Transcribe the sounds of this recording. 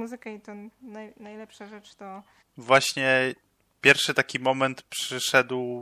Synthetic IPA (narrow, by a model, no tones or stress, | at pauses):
muzɘkait̪ɔnajnajlɛpʂaʐɛt͡ʂt̪ɔ | vwaɕɲɛ | pʲjɛɾfʂɘt̪akʲimɔmɛnt̪pʂɘʂɛd̪w